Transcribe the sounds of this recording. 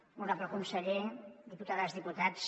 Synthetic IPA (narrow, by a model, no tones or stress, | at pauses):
uɾapləkunsəʎed̪iput̪aðazðiput̪as